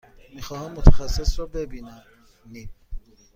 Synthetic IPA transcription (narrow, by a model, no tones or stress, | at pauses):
mixɔhamot̪ʰḁxasisɔbebina | nip̚